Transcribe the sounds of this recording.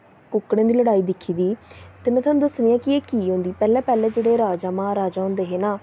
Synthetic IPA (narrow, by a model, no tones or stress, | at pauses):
kʊkːɽẽːd̪iːləɽaːiːd̪ɪkʰːiːd̪iːt̪eːmɛ̃ːt̪ʰaːnũːd̪əsnɪjãːkɪeːkiːɦõnd̪iːpɛːlɛ̃ːpɛːlɛ̃ːd͡ʒeːɽeːɾaːd͡ʒaːmãːɾaːd͡ʒaːɦõnd̪eːɦeːnaː